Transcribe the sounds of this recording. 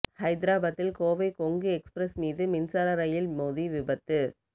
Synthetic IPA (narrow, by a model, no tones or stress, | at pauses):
hɐɪd̪ɪɾaːbɐt̪ːɪlkoːʋɐɪkɔŋɡɯɛkspɾɐsmiːðɯmɪnsaːɾɐɾɐjɪlmoːðiʋɪbɐt̪ːɯ